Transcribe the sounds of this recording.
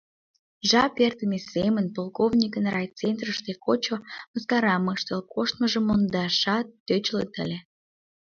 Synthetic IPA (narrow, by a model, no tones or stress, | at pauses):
ʒɑpert̪əmesemənpolkovnʲikənrɑjt͡sent̪rəʃt̪ekot͡ɕoməskɑɾɑməʃt̪əlkoʃt̪̚məʒəmːond̪ɑʃɑt̪ːøt͡ɕlə̰t̪ə̰lʲe